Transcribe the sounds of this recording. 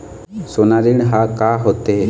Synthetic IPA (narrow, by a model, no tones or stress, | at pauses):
soːnaɾiɳ̃ɦaːkaːɦoːt̪eɦe